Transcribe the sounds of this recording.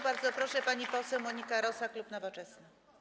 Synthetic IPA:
baɾd̪zɔpɾɔʂɛpaɲipɔsɛwmɔɲikaɾɔsaklupnɔvɔt͡ʂɛsna

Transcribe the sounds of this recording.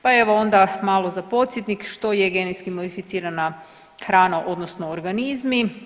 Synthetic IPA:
pae̞ʋoo̞nd̪amaːlˠo̞zapo̞t̪sjet̪nikʃt̪o̞jeɡenejskimod̪ifit̪siːɾana | xɾaːnaʔo̞d̪nosnoːɾɡanizmi

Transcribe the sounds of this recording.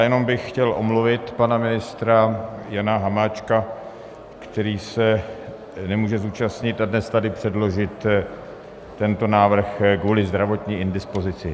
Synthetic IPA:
jɛno̞mbɪxxcɛlʔo̞̰mluvɪt̪panamɪnɪst̪ɾajanaɦamaːt͡ʃka | kt̪ɛɾiːsɛ | nɛmuːʒɛzuːt͡ʃast̪ɲɪt̪adnɛst̪adɪpr̝̥ɛdlo̞ʒɪt̪ | ɛnt̪o̞naːvr̩xkvuːlɪzd̪ɾavo̞t̪ɲiːʔɪndɪspo̞zɪt͡sɪ

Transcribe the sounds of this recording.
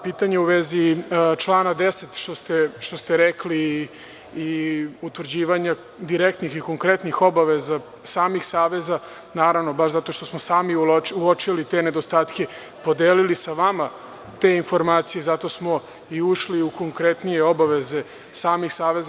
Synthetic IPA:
piːt̪aɲeuʋezit͡ʃlˠaːnad̪eset̪ʃt̪o̞st̪eʃt̪o̞st̪eɾekliː | ut̪ʋr̩d͡ʑiːʋaɲa | d̪iɾekt̪nixiko̞ŋkɾe̞t̪nixo̞baʋeza | saːmixsaːʋe̞za | naːɾaʋno̞baʃzat̪o̞ʃt̪o̞smosaːmiuot͡ʃilit̪e̞ned̪o̞st̪aːt̪ke̞ | po̞d̪eːlilisaʋama | t̪e̞info̞ɾmaːt̪sije̞zat̪o̞smo̞ | iuʃliuko̞ŋkɾe̞t̪nijeo̞baʋe̞ze̞ | saːmixsaːʋe̞z

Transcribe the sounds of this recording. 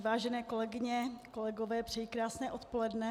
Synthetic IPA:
vaːʒɛnɛːko̞lɛɡɪɲɛkolɛɡovɛːpr̝̥ɛjikɾaːsnɛːʔot̪polɛdnɛ

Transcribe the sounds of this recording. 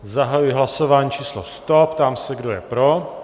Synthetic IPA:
zaɦajujɪɦlasovaːɲit͡ʃiːslost̪o̞pt̪aːmsɛɡdo̞jɛpɾo

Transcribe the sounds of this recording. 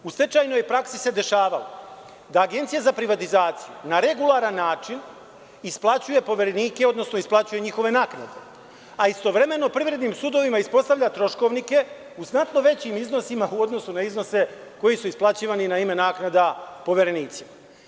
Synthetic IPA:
ust̪e̞t͡ʃaːjno̞jpɾaksise̞d̪e̞ʃaːʋala | d̪aːɡe̞nt̪sijazapɾiʋat̪izaːt̪sijṵnaɾe̞ɡulˠaɾanːaːt͡ʃin | isplˠat͡ɕuje̞po̞ʋeɾeniːkeo̞d̪no̞sno̞isplˠat͡ɕuje̞ɲixo̞ʋe̞naːkna̰d̪e̞ | aist̪o̞ʋɾe̞me̞no̞pɾiʋɾe̞d̪niːmsud̪o̞ʋimaispo̞st̪aʋʎat̪ɾo̞ʃko̞ʋnike̞ | uznat̪no̞ʋe̞t͡ɕimizno̞simauo̞d̪no̞sunaizno̞se̞ko̞jisuisplˠat͡ɕiːʋaninaime̞naːknad̪apo̞ʋeɾe̞niːt̪sima

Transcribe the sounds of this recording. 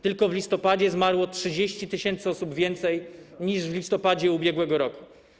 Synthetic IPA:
t̪ɘlkɔvlʲist̪ɔpad͡ʑɛzmaɾwɔtʂɘd͡ʑeɕt͡ɕit̪ɘɕɛnt̪sɔsubvʲjɛnt̪sɛjɲiʐvlʲist̪ɔpad͡ʑɛubʲjɛɡwɛɡɔɾɔku̥

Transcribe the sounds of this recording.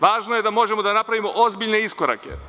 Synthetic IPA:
ʋaːʒnoje̞d̪amo̞ʒe̞mo̞d̪anapɾaʋimo̞ʔozbiʎne̞isko̞ɾa̰ke̞̰

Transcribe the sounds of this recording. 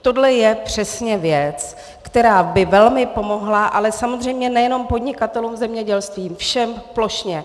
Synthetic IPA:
t̪o̞dlɛjɛpr̝̥ɛsɲɛvjɛt͡s | kt̪ɛɾaːbɪvɛlmɪpo̞mo̞ɦlaʔalɛsamo̞zr̝ɛjmɲɛnɛjɛno̞mpo̞dɲɪkat̪ɛluːmzɛmɲɛɟɛlst̪viːmfʃɛmplo̞ʃɲɛ

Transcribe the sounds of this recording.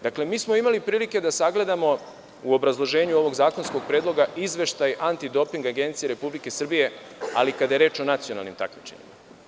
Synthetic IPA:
d̪akle̞miːsmo̞imalipɾiːlike̞d̪asaɡle̞d̪amo̞ | uo̞bɾazlˠo̞ʒe̞ːɲuo̞ʋo̞ɡzaːko̞nsko̞ɡ̥̚pɾe̞ːd̪lˠo̞ɡaʔizʋe̞ʃt̪ajant̪id̪o̞piŋɡaɡent̪sije̞ɾe̞publike̞sr̩bije̞ | alikad̪ajeɾe̞ːt͡ʃo̞nat̪sijo̞na̰lˠnḭmt̪a̰kmit͡ʃeɲḭma̰

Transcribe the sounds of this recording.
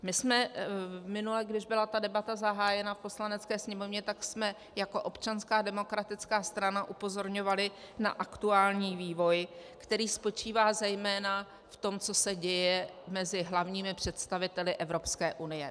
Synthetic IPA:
mɪsmɛmɪnulɛɡdɪʒbɪlat̪adɛbat̪azaɦaːjɛnafpo̞slanɛt͡skɛːsɲɛmo̞vɲɛt̪aksmɛ | jako̞ʔo̞pt͡ʃanskaːdɛmo̞kɾat̪ɪt͡skaːst̪ɾanaʔupo̞zo̞ɾɲo̞valɪ | na̰ʔakt̪uaːlɲiːviːvo̞jkt̪ɛɾiːspo̞t͡ʃiːvaːzɛjmɛːna | ft̪o̞mt͡so̞sɛɟɛjɛ | mɛzɪɦlavɲiːmɪpr̥ɛt̪st̪avɪt̪ɛlɪʔɛvɾo̞pskɛːʔunɪjɛ

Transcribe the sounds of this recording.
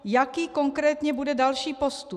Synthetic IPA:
jakiːko̞ŋkɾɛːt̪ɲɛbudɛdalʃiːpost̪u

